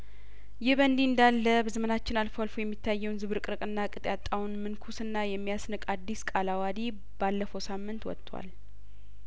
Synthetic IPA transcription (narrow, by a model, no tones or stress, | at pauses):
jɪhbənd̪iɨnd̪alːəbəzəmənat͡ʃːɪnalfwalfojɛmːit̪ʰːajːɛwnzɨβɨɾkʼɨɾɨkʼɨnːakʼɨt̪ʼjat̪ʼːawunmɨnkʰusɨnːajɛmːijasnɨkʼad̪ːiskʼalawad̪i | b̥alːəfəwsamːɨnt̪wɔ̰t̪ʼʰːwa̰l